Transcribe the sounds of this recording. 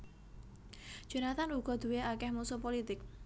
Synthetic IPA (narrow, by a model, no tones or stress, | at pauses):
ʒ̥ə̤nat̪anuɡ̥ɔ̤d̪̥ṳweakɛhmusupolit̪ɪk̚